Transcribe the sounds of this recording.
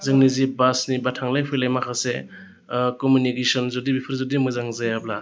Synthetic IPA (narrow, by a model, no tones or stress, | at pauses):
zɯŋnizibasnibatʰaŋlajpʰɯjlajmakʰase | kɔmjunikesɔnzudibipʰɯɾzɔdimɯzaŋzajabla